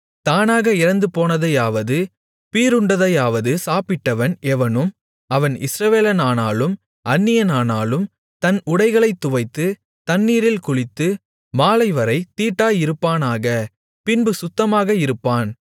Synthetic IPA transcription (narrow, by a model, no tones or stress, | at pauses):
t̪aːnaːɣɐɪɾɐnd̪ɯpoːnɐðɐjaːʋɐðɯ | piːɾɯɳɖɐðɐjaːʋɐðɯsaːpɪʈːɐʋɐnʔɛʋɐnɯm | ɐʋɐnɪ̰sɾɐʋeːlɐnaːnaːlɯm | ʔɐnːɪjɐnaːnaːlɯm | t̪ɐnʊɽɐɪɣɐɭɐɪt̪ːʊʋɐɪt̪ːɯ | t̪ɐnːiːɾɪlkʊɻɪt̪ːɯ | maːlɐɪʋɐɾɐɪt̪iːʈːaːjɪɾɯpːaːnaːɣɐ | pɪnbɯsʊt̪ːɐmaːɣɐɪɾɯpːaːn